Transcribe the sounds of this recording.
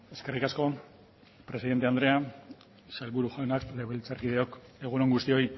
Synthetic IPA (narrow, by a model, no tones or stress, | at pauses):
e̞ske̞rikasko̞ | pɾe̞siðent̪e̞and̪ɾe̞a | salβuɾuʝawnakle̞βelt͡saɾkiðe̞o̞ke̞ɣ̞uno̞ŋɡust̪io̞j